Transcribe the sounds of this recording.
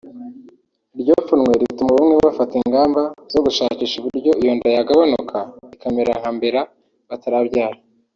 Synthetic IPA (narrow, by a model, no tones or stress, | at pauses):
ɾɟo̞ːfunŋwe̞ɾitumuβumŋeββafatiŋɡaːmbaz̥o̞ɡuʃaːciːʃuβuɾɟo̞ijo̞ːndeejaɡaβanukʰaikameɾaŋhambe̞ɾa | βataɾabɟaːɾa